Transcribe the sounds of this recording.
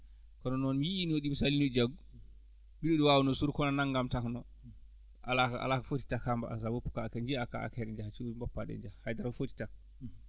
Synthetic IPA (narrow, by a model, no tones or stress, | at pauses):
kɔnɔnɔnmijiiniwoɗimusalinɔd͡ʒaɡu | biɗoɗiwawɔnɔsuɾkɔnanaŋɡamtaknɔ | ʔa̰lakaa̰lakafoti̥takhamba̰a̰sabopːu̥kaːkɛɲd͡ʒiaka̰a̰kɛɾɛɲd͡ʒahat͡ʃiimbɔpːaɗɛ̰ɲd͡ʒahajdaɾkɔfoti̥tak̚